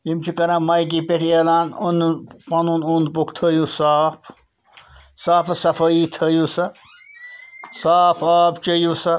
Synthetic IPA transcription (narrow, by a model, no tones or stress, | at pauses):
jimt͡ʃʰikɐnãːmɐjk̬ipeʈielaːnunpɐnuːnund̪pukt̪ʰəːjuːsaːpʰ | saːpʰsɐfɐiːt̪ʰəːjusɐ | saːpʰaːpt͡ʃəjusɐ